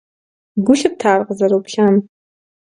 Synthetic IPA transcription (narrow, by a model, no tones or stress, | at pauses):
ɡʷʊɬɨp̚tʰaːrqəzɐɾowpɬaːm